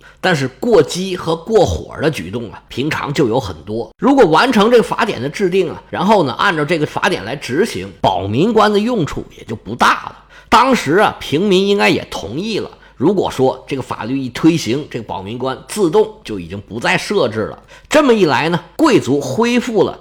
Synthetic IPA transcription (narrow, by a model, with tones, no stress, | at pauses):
t̪a˥˧nʂ̬ɻ̩˥˧kwɔ˥˩t͡ɕi˥xɤ˧˥kwɔ˥˩xwɔ̰˨˩d̪ə˦t͡ɕy̰˨˩t̪ʊ˥˩ŋə̰˩pʰi˧˥ŋʈ͡ʂʰɑ̰˧˥ŋt͡ɕjo˥˩ʊjo˧˥ʊxə̰˨˩nt̪wɔ˥ɻu˧˥kwɔ˨˩wa˧˥nʈ͡ʂʰɤ˧˥ŋʈ͡ʂɤ˥˩ɡə˩fa̰˧˥t̪jɛ̰˨˩nd̪ə˦ʈ͡ʂɻ̩˥˧t̪i˥˩ŋə̰˩ɻa˧˥nxo˥˩ʊnə̰˩ʔa̰˥˩nʈ͡ʂə˧˩ʈ͡ʂɤ˥˩ɡə˩fa̰˧˥t̪jɛ˨˩nla̰˧˥ɪʈ͡ʂɻ̩˧˥ɕḭ˧˥ŋpɑ˨˩ʊmi˧˥ŋkwa˥nd̪ə˨jʊ˥˧ŋʈ͡ʂʰṵ˥˩jɛ̰˨˩t͡ɕjo˥˩ʊpu˧˥t̪a̰˥˩lə̰˩t̪ɑ˥ŋʂɻ̩˧˥ɐ̰˨pʰi˧˥ŋmi˧˥ni˥ŋka˥ɪjɛ̰˨˩t̪ʰʊ̰˧˥ŋi˥˩lə̰˩ | ɻu˧˥kwɔ̰˨˩ʂwɔ˥ʈ͡ʂɤ˥˩ɡə˩fa̰˨˩ly˥˧i˥˩t̪ʰwe˥ɪɕi˧˥ŋʈ͡ʂɤ˥˩ɡə˩pɑ˨˩ʊmi˧˥ŋkwa˥nt͡sɹ̩˥˧t̪ʊ˥˩ŋt͡ɕjo˥˩ʊi˨˩t͡ɕi˧˥ŋpu˧˥t͡sa˥˧ɪʂɤ˥˧ʈ͡ʂɻ̩˥˩lə̰˩ʈ͡ʂɤ˥˩mə˩i˥˩la˧˥ɪnə˧kwe˥˩ɪt͡su˧˥xwe˥ɪfu˥˩lə̰˩